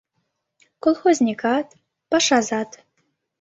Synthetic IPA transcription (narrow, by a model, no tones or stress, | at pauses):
kolˠxozʲnʲikɑt̪ | pɑʃɑzɑt̪